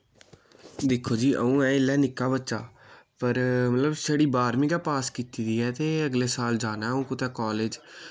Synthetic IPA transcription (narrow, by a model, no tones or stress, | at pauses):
d̪ekʰːoːd͡ʒiːʔə̰ũːɛ̃ːɪlːɛːnɪkːaːbətːʃaːpəɾmət̪ləbsəɽiːbaːɾmĩːɡaːpaːskiːt̪iːd̪iːɛːt̪eːəɡleːsaːld͡ʒaːnaːũːkʊt̪ɛːkɔːleːd͡ʒ